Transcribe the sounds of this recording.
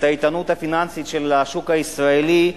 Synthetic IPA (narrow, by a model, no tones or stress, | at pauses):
t̪ait̪anut̪hafinansit̪ʃelaʃukaisʁaeli